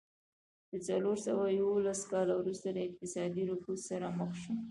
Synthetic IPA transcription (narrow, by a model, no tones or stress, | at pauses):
d̪̥ət͡saloɾsawajawolaskɑlawɾust̪aləɪq̚t̪ɪsɑd̪iɾʊkusaɾaməxʃo